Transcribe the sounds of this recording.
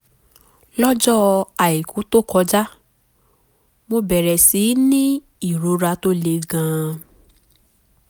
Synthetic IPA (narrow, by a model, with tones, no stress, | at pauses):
lɔ˦d͡ʒɔ˦a˨i˨kũ˨˦to˦˨kɔ˧d͡ʒa˦ | mo˧bɛ˨ɾɛ˨si˨˦nĩ˦ | i˦˨ɾo˨˦ɾa˧to˦le˧ɡã˧